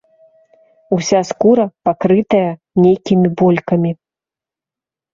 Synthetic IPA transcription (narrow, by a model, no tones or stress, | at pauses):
usʲaskuɾɐpakɾɨt̪ɐjɐ | nʲejkʲimʲibɔlʲkɐmʲi